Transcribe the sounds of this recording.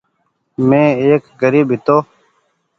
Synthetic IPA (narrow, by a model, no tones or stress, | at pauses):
mẽːeːkɡəɾiːbɦɪt̪oː